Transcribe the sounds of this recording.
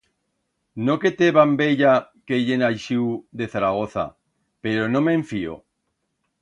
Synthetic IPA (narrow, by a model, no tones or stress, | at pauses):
noket̪eβambeʎakeʎenajʃiwðeθaɾaɣ̞oθa̰ | peɾonõmeɱfio̰